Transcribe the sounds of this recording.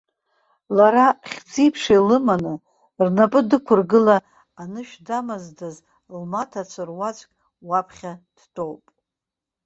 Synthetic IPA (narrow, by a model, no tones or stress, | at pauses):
laɾaχʲd͡zipʰʂijlɨmanɨ | rnapʼɨdɨkʷʰʊrɡɨlaː | nɨʃᶣdamazdaz | lmatʰat͡ʃʷʰɨrwat͡ʃʷʼkʲʼ | wapʰχʲad̥tʰʼo̞wpʼ